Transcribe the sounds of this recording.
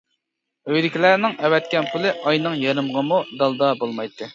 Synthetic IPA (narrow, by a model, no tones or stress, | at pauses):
øjd̪ɪkʲilæɾnɪŋɛwɛt̪̚kʲɛnpʰulˠɨʔɑjnɨŋjeɾɨmʁəmud̪ɑlˠd̪ɑbolˠmɑjt̪ʰːɨ